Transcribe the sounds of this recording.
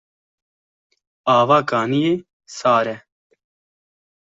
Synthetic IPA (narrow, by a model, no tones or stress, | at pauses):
aːʋaːkaːnije | saːɾɛ